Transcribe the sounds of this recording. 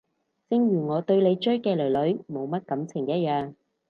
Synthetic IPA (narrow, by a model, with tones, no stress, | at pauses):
t͡sɪ˧ŋɥyː˨˩ŋɔː˨˧t̪ɵ˧ɥle˨˧jt͡ʃɵ˥ɥkɛː˧lɵ˨˩lɵ˨˥ɥmo˨˧wmɐ˥t̚kɐ˨˥mt͡sʰɪ˨˩ŋjɐ˥t̚jœaː˨˧ŋ